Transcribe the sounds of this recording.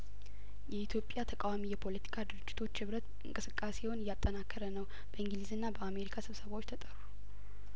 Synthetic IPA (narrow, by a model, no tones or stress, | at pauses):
jɛit̪ʰjopʼjat̪ʰəkʼawamijɛpʰo̞lət̪ʰi̥kʰad̪ɨɾɨd͡ʒːɪt̪ʰo̞t͡ʃːhɨβɾət̪ | ɨ̰ŋkʼɨsɨkʼːaseho̞njat̪ʼːənakːəɾənəw | b̥əɨŋɡɨlizɨnːabəame̞ɾikʰasɨβsəβaot͡ʃːt̪ʰət̪ʼəɾu